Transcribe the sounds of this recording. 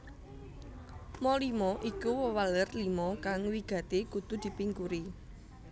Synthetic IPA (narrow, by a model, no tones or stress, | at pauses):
mɔlimɔʔikuwəwalərlimɔkaŋwiɡ̥ä̤t̪ekut̪ud̪̥i̤piŋkuɾi